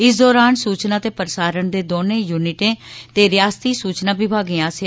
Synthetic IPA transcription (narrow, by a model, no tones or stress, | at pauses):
ɪsd̪ɔːɾaːnsuːt͡ʃnaːt̪eːpəɾəsaːɾəɳd̪eːd̪oːnẽːjuːnɪʈẽːt̪eːɾɪjaːst̪iːsuːt͡ʃnaːʋɪbʱaːɡĩːaːse